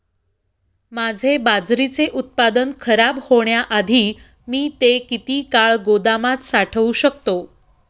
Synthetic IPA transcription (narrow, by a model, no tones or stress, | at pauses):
mad͡zʱebad͡zɾit͡seʔut̪̚pad̪ənkʰəɾabhoɳjaʔad̪ʱiː | miːt̪ekit̪iːkaɭɡod̪amat̪saʈʰəʋuɕək̚t̪o